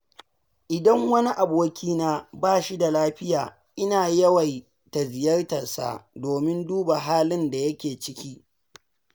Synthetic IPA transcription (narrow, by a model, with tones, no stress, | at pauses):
ʔɪ˨dɐ˦ŋwɐ˦ni˦ʔa˨boː˦kʲʰiː˦naː˦baː˦˨ʃi˦da˨laː˦ɸɪ˦jaː˨ | ʔɪ˦naː˨jɐ˦wɐ˨j | ta˨zɪ˨jɐ˦rtɐ˨sa̰˦˨doː˨mɪ˦nduː˦ba˨ɦaː˦lɪ˦nda˨jɐ˦kʲeː˨t͡ʃɪ˦kʲiː˦